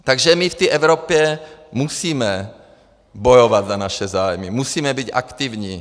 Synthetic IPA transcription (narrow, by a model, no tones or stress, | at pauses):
t̪aɡʒɛmift̪iːʔɛvɾopjɛmusiːmɛ | bojovad̪zanaʃɛzaːjmimusiːmɛbicʔa̰kt̪ivɲi